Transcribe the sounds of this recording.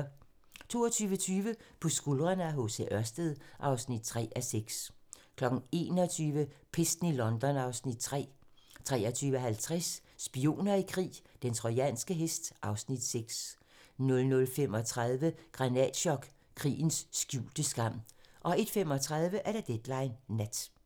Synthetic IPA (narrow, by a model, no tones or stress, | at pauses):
t͡sʰo̝̰ːɒt͡sʰyːʋət͡sʰyːʋəpʰɒ̽sɡ̥ulʁɐnəæɦo̝seʔɶɐsd̥əðˠʔɑ̈ʊsnid̥̚t͡sʰʁɛ̰ːʔæseɡ̥s | kʰlɒ̽ɡ̥n̩e̝̰ːnɒt͡sʰyːʋəpʰesd̥n̩ilɒ̽nd̥ɒ̽nɑ̈ʊsnid̥̚t͡sʰʁɛ̰ːt͡sʰʁɛːɒt͡sʰyːʋəɦælt͡sʰʁɛsː | b̥io̝̰ːnɐikʰʁḭːd̥ent͡sʰʁɔɪɛ̰nsɡ̥əɦesd̥ʔɑ̈ʊsnid̥seɡ̥s | nɔ̽lnɔ̽lfem̰ɒ̽t͡sʰʁað̞ˠʋəɡ̥ʁɑ̈nɛ̰d̥ɕɒ̽ɡ̥ | kʰʁḭːn̩sːɡ̥jṵːld̥əsɡ̥ɑ̈m̰ʔɒ̽e̝d̥femɒ̽t͡sʰʁɑð̞ˠʋəʔæɐɾ̥ed̥ed̥lɑ̈ɪnːæd̥